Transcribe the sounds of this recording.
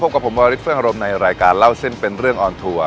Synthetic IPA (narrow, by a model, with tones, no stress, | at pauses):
o˦˥p̚ka˨˩pʰo˩˦mwaː˧ɾ̚fʰɯ˥˩əŋa˧ɾo˧mna˧jɾaː˧jkaː˧nla˥˩wse˥˩npe˧nɾɯ˥˩əŋʔɔː˧nt̪ʰuː˧ɐ